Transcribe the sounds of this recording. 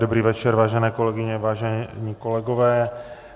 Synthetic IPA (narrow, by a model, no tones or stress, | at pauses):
dobɾiːvɛt͡ʃɛɾvaːʒɛnɛːkolɛɡɪɲɛvaːʒɛɲiːkolɛɡovɛː